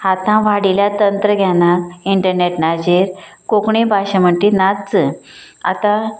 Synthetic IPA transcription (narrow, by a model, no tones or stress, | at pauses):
hat̪ãʋaɽiljat̪ənt̪ɾəɡʱjanaiɳʈəɾneʈnad͡ʑeɾkokɳebʱaɕam̤əɳʈinat͡sə | a̰t̪a